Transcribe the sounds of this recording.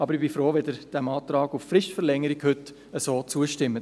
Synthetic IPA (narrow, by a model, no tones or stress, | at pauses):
ɑbəɾɪbifɾoːʋɛdəɾd̥æmɑːt̪ɾɑːɡuffɾɪʃtfəɾlɛŋəɾiɡhɵt | əsoːt͡suəʃtɪmːə